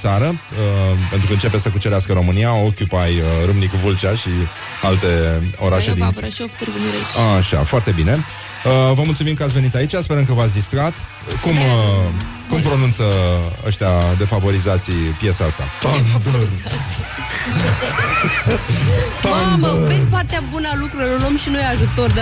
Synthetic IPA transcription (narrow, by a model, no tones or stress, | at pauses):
t̪saɾə | əpent̪ɾukəɨnt͡ʃe̞pessəkut͡ʃeɾeaskəɾo̞mɨniaokʲjupajəɾumnikvult͡ʃaʃi | alt̪e̞o̞ɾaʃed̪inft̪uɾaʃa̰foart̪e̞bine̞ | əvəmult̪sumimkəat̪ʲve̞nit̪ait͡ʃaspeəmkəvat̪sʲd̪ist̪ɾat̪ | kumə | kumpɾo̞nunt̪səə̰ʃt̪ead̪e̞favo̞ɾizat̪sijpje̞saast̪a̰p̪anbə | p̪anbəvespart̪eabunəalukɾuɾelulomʃinujeaʒut̪o̞rd̪